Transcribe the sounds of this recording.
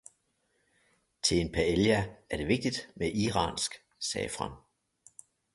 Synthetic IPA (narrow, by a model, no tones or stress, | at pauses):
t͡sʰe̝e̝npʰæeljææɐd̥e̝ʋe̝ɡ̥̚d̥id̥meʔiʁɑ̰ːnsɡ̥ | sɛ̰ːfʁɑ̰m